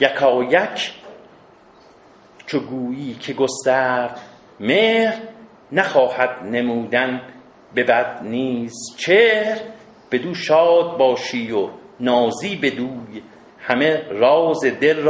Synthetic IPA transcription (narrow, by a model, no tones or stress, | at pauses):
jækʰɒːjækʰ | t͡ʃʰoɡuːjiːcʰeɡost̪æːɾd̪ | meːhɾ | næχɒːhæd̪nemuːd̪æn | be̞bæd̪̚niːzt͡ʃʰeːhɾ | b̥e̞d̪uːʃɒːd̪̚bɒːʃiːjonɒːziːbe̞d̪uːj | hæmeɾɒːzed̪el